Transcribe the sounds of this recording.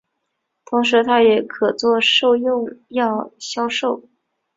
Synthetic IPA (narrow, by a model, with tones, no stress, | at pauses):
t̪ʰʊ˧˥ŋʂɻ̩˧˥t̪ʰa˥jɛ˨˩kʰɤ˨˩t͡swɔ˥˧ʂo˥˧ʊjʊ˥˧ŋjɑ˥˩ʊɕjɑ˥ʊʂo˥˩ʊ